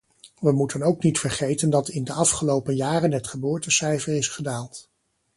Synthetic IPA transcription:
ʋəmutənowknitfəɹχejtəndɑtɪndəɑfχəlowpənjaːrənɦətχəbʊːɹtəsɛjvərɪsχədaːlˠt

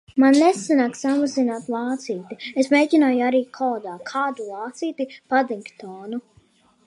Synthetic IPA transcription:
manːɛsanaːksamazinaːt̪lˠɑːt̪siːt̪iesmeːjɟʲinaːjuaɾiːkʰɔːd̪aːkʰaːd̪ulˠɑːt̪siːt̪ipad̪iŋkt̪ɔːnu

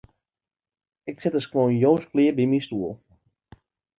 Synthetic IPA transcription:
ɪksɪtəskʋoːnjoːnsklɪːbimistuəlˠ

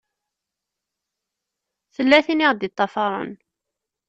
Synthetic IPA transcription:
θəlːæθiniʁd̪it̪ˤːɑfɑɾˤə̰n

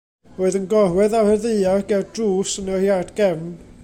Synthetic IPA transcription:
roːɨðənɡɔrwɛðawhɛrðeɨaɡɛwdruːsənəhjadɡ̥ɛvn

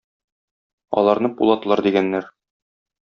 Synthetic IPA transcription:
ɒ̰lˠɑɾnɤpulˠɑt̪lˠɑɾd̪iɡænːæɾ

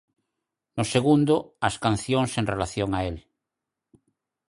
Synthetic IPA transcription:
nʊseɣund̪ʊaskanθjoŋseŋrelaθjoŋael

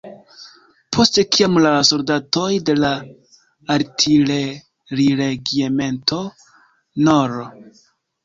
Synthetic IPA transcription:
pʰo̞ste̞kiamlaso̞ldato̞jde̞laː | ɾtʰiɾe | ɾiɾeɡieme̞ntʰo̞ | noɾo

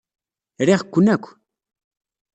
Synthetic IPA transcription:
ɾeχkʊnakʊ̥

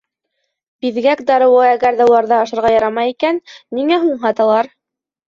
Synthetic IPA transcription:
biðɡækd̪ɑɾɤ̆wɤæɡæɾðæulˠɑɾðɑːʃɤ̆ɾʁɑjɑɾɑmɑjikænːiŋæɦuɴɦɑt̪ɑlˠɑɾ

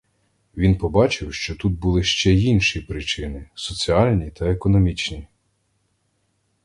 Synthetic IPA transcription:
ʋʲinpɔbɑt͡ʃɪwʃt͡ʃɔt̪ut̪̚bulˠɪʃt͡ʃɛinʃipɾɪt͡ʃɪnɪsɔt͡sʲiɑlʲnʲit̪ɐekɔnɔmʲit͡ʃnʲi

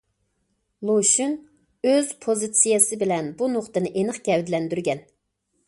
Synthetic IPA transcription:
lˠoʃyn | øz̥pʰozɨt̪sijesɨbɪlɛnbunoχt̪ɨnɨʔenɨχɡʲɛwd̪ɪlɛnd̪yɾɡʲɛn

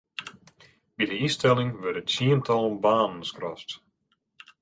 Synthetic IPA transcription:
bidəistɛlˠɪŋʋɛrtətsiəntʰɔlˠnbaːnən̩skrɔ̰st

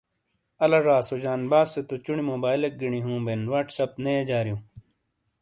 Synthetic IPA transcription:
ɐlaʐaːsod͡ʑaːnbaːsːet̪ot͡ɕuɳimoːbaːilek̚ɡiɳiɦũːbenwaːʈsɐp̚nejed͡ʑaːɾijũː

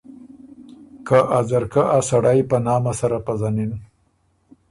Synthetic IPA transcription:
kaʔazaɾkaʔasaɽajpənɑːmasaɾapazanin

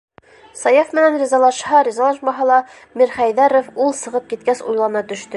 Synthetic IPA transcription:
sɑjɑfmɘ̆nænrʲɪzɑlˠɑʃhɑɾʲizɑlˠɑʃmɑɦɑlˠɑ | miɾχæjðæɾofulˠsɤ̆ʁɤp̚kit̪kæsṵjlˠɑnnɑt̪ɵ̆ʃt̪ɘ

